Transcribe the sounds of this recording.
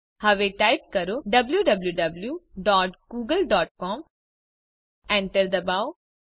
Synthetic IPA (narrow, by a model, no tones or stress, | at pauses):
hɐʋeʈaːɪp̚kɐɾoɖɐbljuɖɐbljuɖɐbljuːɖɔːʈɡuːɡəlɖɔːʈ̚kɔːm | ɛ̃ːɳʈəɾd̪ɐbaːo